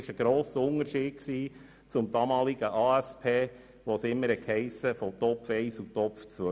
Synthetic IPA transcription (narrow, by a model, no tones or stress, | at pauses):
ɪʃəɡ̥ɾoːsəʊnəɾʃi̥ːksiː | t͡sʊmd̥ɑmɑːliɡ̥əʔɑːæspʰeː | ʋosɪmːəɾɛkhɛɪsəfɔtɔpfɛɪsutɔpft͡sʋœ